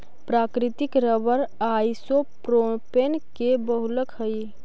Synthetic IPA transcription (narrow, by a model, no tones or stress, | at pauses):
pɾaːkɾɪt̪ɪkɾəbəɾaːisopɾopenkebəɦʊləkɦəi